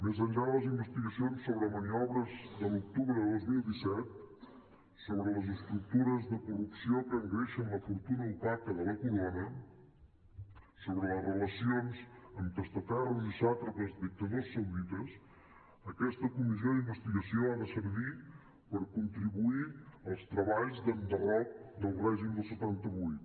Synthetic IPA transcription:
mezəɲʎaləzimbəst̪iɣəsionsːoβɾəməniɔβɾəzðəluk̚t̪uβɾəðəd̪ozmilˠd̪isɛt̪̚ | soβɾələzəst̪ɾuk̚t̪uɾəzðəkurupsiokəŋɣɛʃənləfuɾt̪unəupak̚t̪əðələkuɾonə | soβɾələzrələsionzəmt̪əst̪ət̪alzisat̪ɾəzəzd̪ik̚t̪əðossːəwðit̪əs | əkɛst̪əkumizjoðimbəst̪iɣəsioanəsəɾβi | pəɾkunt̪ɾiβuiəlˠst̪ɾəβaʎzd̪ənd̪ərɔk̚d̪əlˠrɛʒimd̪əlˠsət̪ant̪əβujt̪

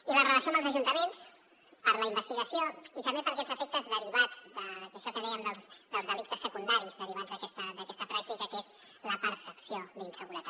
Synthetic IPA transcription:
ilərələsioməlzəʒunt̪əmens | pəɾləimbəst̪iɣəsioit̪əmbepəɾɐkɛd͡zəfek̚t̪əzðəɾiβad͡zd̪əkəʃɔt̪əmeəmd̪əlˠzd̪əlˠzðəlik̚t̪əsːəkund̪aɾizðəɾiβanzðəkɛst̪əd̪əkɛst̪əpɾak̚t̪ikəkez | ləpəɾsəpsiod̪insəɣuɾət̪a

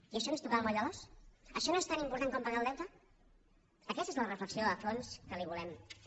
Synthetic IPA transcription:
iəʃɔnoest̪ukalməʎalɔsəʃɔnoest̪animpuɾt̪aŋkɔmpəɣalˠd̪ɛwt̪ə | əkɛst̪ezlərəfləksioðəfonskəliβulɛm

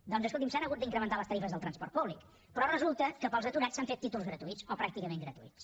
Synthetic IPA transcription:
d̪ɔnzəskulˠt̪imsanəɣud̪̚d̪iŋkɾəmənt̪aləst̪əɾifəzðəlˠt̪ɾənspɔrt̪̚puβlik | pɾɔrəzulˠt̪əkəpəlˠzət̪uɾat͡ssaɱfet̪ːit̪ulˠzɣɾət̪uitsɔpɾak̚t̪ikəmeŋɡɾət̪uḭt͡s

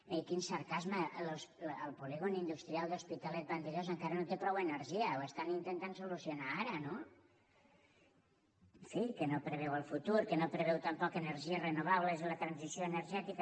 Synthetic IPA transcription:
ekinsəɾkazməlosləlˠpuliɣonind̪ust̪ɾialˠd̪ospit̪alɛt̪̚bant̪eʎozəŋkaɾənot̪epɾɔwenəɾʒiəoest̪anint̪ent̪ansulusionaaɾəno | ɱfikənopɾəβɛwəlˠfut̪uɾkənopɾəβɛwt̪əmpɔkenəɾʒiəzrenuβ̞aβləzilət̪ɾansisioenəɾʒɛt̪ikə

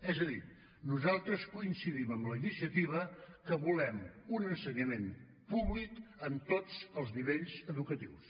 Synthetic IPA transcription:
ɛzəði | nuzalˠt̪ɾəskuinsiðiməmləinisiət̪iβ̞əkəβulɛmunənsəɲəmen | puβlikəmt̪od͡zəlˠzniβeʎzəðukət̪iws

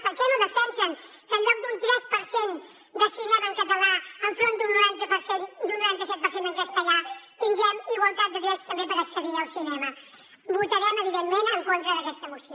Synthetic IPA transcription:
pəɾkɛnoðəfɛnsəŋ | kəlːɔk̚d̪unt̪ɾɛspəɾsen | d̪əsinɛməŋkət̪əlaəɱfɾond̪unnuɾant̪əpəsend̪unːuɾant̪əsɛt̪pəɾsenəŋkəst̪əʎat̪iŋɡɛmiɣwəlˠt̪at̪̚d̪əɣɾɛst̪əmbepəɾəksəðiəlˠsinɛmə | but̪əɾɛməβiðemmẽnəŋkont̪ɾəðəkɛst̪əmusio

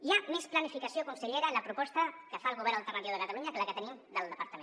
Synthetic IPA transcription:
ʒamesplanifikasjokunseʎeɾalapɾupɔst̪akəfalˠɣuβɛɾnont̪əranjoðəkat̪aluɲakəlakət̪ənimd̪əlˠd̪əpaɾt̪əme

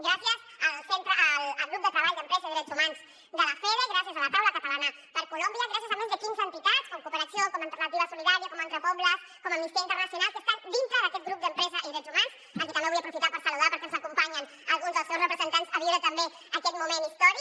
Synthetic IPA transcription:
ɡɾasiəz | əlsent̪ɾəʔːləlˠɣɾup̚d̪ət̪ɾəβaʎd̪əmpɾɛziðɾɛt̪zumans | d̪ələfɛɾəɣɾasiəzələt̪awləkət̪əlanə | pəɾkulombiəɣɾasijəzamũnzðəkinzənt̪it̪at͡skɔmkupəɾəsjokɔməlt̪ərnət̪iβəsuliðaɾiəkɔment̪ɾəpɔβləs | kɔməmist̪eint̪əɾrnəsjunalˠkəst̪and̪int̪ɾəðəkɛt̪ɡɾup̚d̪əmpɾɛzəʔiðɾɛt̪zumans | əŋkɛt̪ambeβujəpɾufit̪apəɾsəluðapəɾkɛenzəkumpaɲən | əlˠɣunzðəlˠsɛwsrəpɾəzənt̪anzəβiɾət̪əmbe | əkɛt̪̚mumenist̪ɔɾi

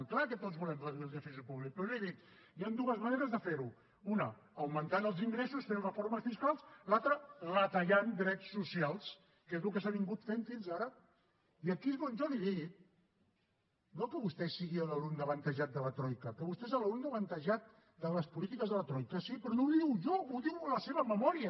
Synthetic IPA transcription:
klakət̪otzβulɛməðnilˠðəfisəpuβlik̚pɾɔʒɔliðik̪̚ | niand̪uəzməneɾəzðəfeɾu | unəː | wmənt̪anəlˠziŋɡɾesusfenrəfoɾməsfiskalˠslat̪ɾərət̪əʎand̪ɾɛt͡sːusialˠs | kezlukəsaβiŋɡut̪feɱfinzaɾə | iəkiɣonʒɔliðit̪̚ | nokəβust̪ɛsiɣiələlumnəβənt̪əʒat̪̚d̪ələt̪ɾɔjkəkəβust̪ɛzələlumnəβənt̪əʒat̪̚ | d̪ələspulit̪ikəzðələt̪ɾɔjkəsipɾɔnowðiwʒɔuðiwləseβ̞əməmɔɾiə

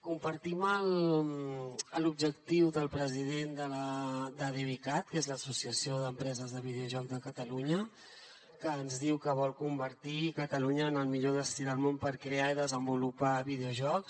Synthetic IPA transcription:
kumpəɾt̪iməl | əlub̚ʒək̚t̪iwðəlˠpɾəziðend̪ələd̪əðeβikat̪̚kezləsusiəsioðəmpɾɛzəzðəβ̞iðeuʒɔkzðəkət̪əluɲə | kəːnzðiwkəβɔlˠkumbəɾt̪ikət̪əluɲəːnəlˠmiʎoðəst̪iɾəlˠmompəɾkɾeaiðəzəmbulupaβið̞euʒɔks

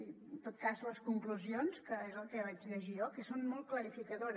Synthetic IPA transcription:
i | nt̪ot̪̚kazləskuŋkluzionskəezəlˠkəβ̞ad͡ʒʎəʒiɔkəsonmɔlˠt̪̚kləɾifikəðoɾ

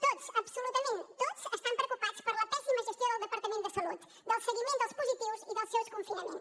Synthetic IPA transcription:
t̪oðʊsɐβsulut̪ɐmẽnt̪t̪oðʊseʃt̪ɐ̃m̃pɾeokupaðʊʃpɐɾlɐpɛsimɐʒest̪jõd̪ɐwˠðəpɐɾt̪ɐmẽnt̪d̪ɨsɐluð | d̪ɐwsɨɣimẽnt̪awʃspuzit̪ivʊziðɐwsewskõfinɐmẽnʊ̥

